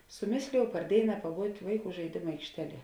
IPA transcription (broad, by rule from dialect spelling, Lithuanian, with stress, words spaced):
sʊˈmʲeːsʲlʲeːjɛʊ pɐr ˈdʲeːɪnɐ pɐˈbuːtʲ ˈʋɐɪˌkuː ʒɐɪˈdʲeːmʊ ɐɪkʃʲˈtʲæːˌlʲiɛ